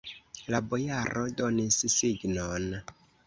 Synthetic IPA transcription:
labo̞jaɾʔo̞do̞nissiɡnon

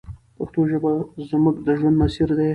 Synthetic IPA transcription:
paxt̪oʒəbazʊmək̚d̪əʒwand̪masiɾd̪e

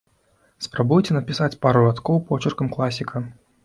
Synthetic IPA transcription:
spɾabujt͡sʲɛnɐpʲisat͡sʲpaɾulat̪kɔwpɔt͡ʃɪrkɐmklˠasʲikʰɐ

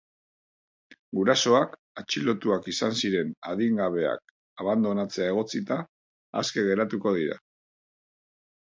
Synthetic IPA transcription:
ɡuɾaso̞ak | at͡ʃilo̞t̪uakisansiɾe̞naðiŋɡaβ̞e̞a̰k̚ | aβand̪o̞nat͡se̞ae̞ɣ̞o̞t͡sit̪a̰ː | ske̞ɣe̞ɾat̪uko̞ð̞iɾa̰

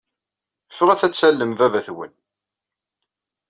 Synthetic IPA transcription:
fəʁæθæt͡sːælːəmvævæθwə̰n

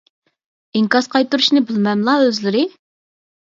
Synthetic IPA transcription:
iŋkɑsqʰɑjt̪uɾuʃnɪbɪlmɛmlˠɑøzlɪɾɪ

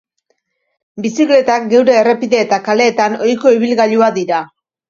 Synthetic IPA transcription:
bisikle̞t̪ak̚ɡe̞wɾe̞ːre̞piðe̞ːt̪akale̞ːt̪ano̞jko̞iβ̞ilɣaʎuad̪iɾa

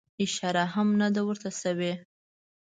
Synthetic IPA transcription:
ɪʃɑɾaɦamnad̪awəɾt̪asawe

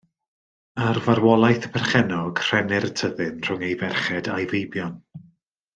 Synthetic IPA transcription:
arvaɾwɔlˠajθə̥pʰɛrχɛnɔɡ̥r̥ɛnɪrtʰəðɨnr̥ʊŋejvɛrχɛdajvejbjɔn

